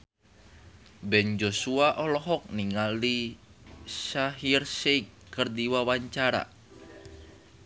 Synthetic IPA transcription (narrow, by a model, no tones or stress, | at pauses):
bɛnd͡ʒosuaʔɔlɔɦɔk̚niŋali | saɦirseikː | ɨrdiwawaɲt͡ʃaɾa̰